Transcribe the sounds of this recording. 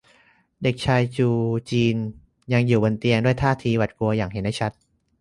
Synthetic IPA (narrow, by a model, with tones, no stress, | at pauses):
de˨˩k̚t͡ɕʰaː˧jt͡ɕuː˧t͡ɕiː˧n | ja˧ŋjuː˨˩bo˧nt̪i˧əŋdu˥˩əjt̪ʰaː˥˩t̪ʰiː˧wa˨˩t̪̚ku˧ɐjaː˨˩ŋɦe˩˦nda˥˩t͡ɕʰa˦˥t̪̚